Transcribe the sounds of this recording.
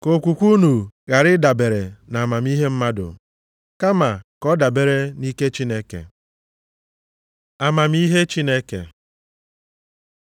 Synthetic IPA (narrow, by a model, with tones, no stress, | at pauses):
ko˨kʷu˨kʷu˦nu˨ɣa˨ɾɪ˦da˨be˨ɾe˨na˨a˨ma˨m˦i˦ɦe˦m̩˦ma˦dʊ̰˨ | ka˦ma˨kɔ˦da˨be˨ɾe˦ni˦ke˦t͡ʃi˦ne˦kḛ˨ | a˨ma˨m˦i˦ɦe˦t͡ʃi˦ne˦kḛ˨